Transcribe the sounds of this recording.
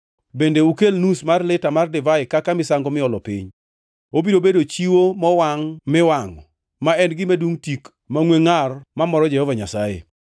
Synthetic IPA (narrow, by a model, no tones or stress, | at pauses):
bendeukelnusmarlɪtamardɪvaɪkakamɪsaŋɡɔmɪɔlɔpḭɲ | obidobedot͡ʃiwomɔwaŋmɪwaŋɔ | maɛnɡɪmaduŋtik | maŋweŋarmamɔɾɔd͡ʒɛhɔvaɲasajḛ